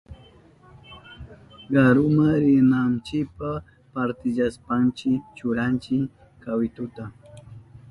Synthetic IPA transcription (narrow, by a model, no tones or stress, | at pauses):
ɢaɾʊmaɾɪnant͡ʃɪpa | paɾt̪ɪʎaspant͡ʃɪt͡ʃʊɾant͡ʃɪ | kawɪt̪ʊt̪a